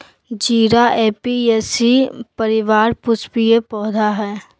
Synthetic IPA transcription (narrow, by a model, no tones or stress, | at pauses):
d͡ʒiːɾaʔeːpieːsipɐɾɪʋaːɾpʊspijepɔːd̪ʱaɦɛː